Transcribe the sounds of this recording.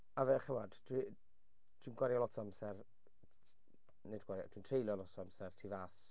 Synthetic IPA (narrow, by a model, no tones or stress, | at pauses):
avɛχəmad̥tʰwi | dʰwinɡwaɾjalɔtʰɔamsɛr | nedɡwaɾja̰tʰwintʰrejlˠjɔlɔtʰɔamsɛrtʰivaːs